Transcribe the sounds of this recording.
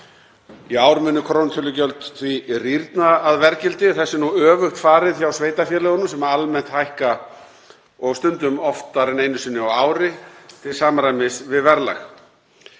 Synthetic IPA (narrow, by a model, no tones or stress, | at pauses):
iaːwɾmʏnːʏkʰɾownt̪ʰʏlːʏcœlt̪θviriɾt̪naːðvɛɾcɪlt̪ɪθɛsːɪnuœːvʏxt̪faːɾɪðçawsveːjt̪afjɛːlɛɣʏnʏmsɛmaalmɛn̥t̪hajhka | ɔɣst̪ʏnt̪ʏmɔft̪aɾɪneːjnʏsɪnːɪɔwaːwɾɪt̪ʰɪlsaːmaɾajmɪsvɪðvɛɾla̰x